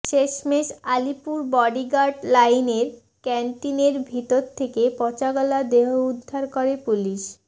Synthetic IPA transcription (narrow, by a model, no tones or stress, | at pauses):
ʃeʃmeʃalipuɾbɔɖiɡaɖlajneɾ | kɛɳʈineɾbʱit̪oɾt̪ʰekepɔt͡ɕaɡɔlad̪eɦoud̪ʱːaɾkoɾepuliʃ